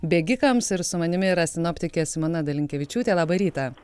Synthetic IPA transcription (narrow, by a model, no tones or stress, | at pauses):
bʲeːɡʲɪkɐmsɪɾsʊmɐnʲɪmʲɪɾɐsʲɪnoːpʲt̪ʲɪkʲeːsʲɪmoːnɐd̪ɐlʲɪŋʲkʲɛʋʲɪt͡ʃʲuːt̪ʲeːlˠɑːbɐɾʲiːt̪ɐ